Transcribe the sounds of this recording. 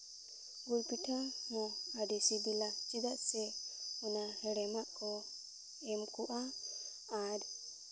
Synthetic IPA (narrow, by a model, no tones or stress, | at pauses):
ɡulpiʈʰamɔaɖisibilat͡ʃid̪aʔsɛunahɛɽɛmaʔkɔ | ɛmkuʔaː | ɾ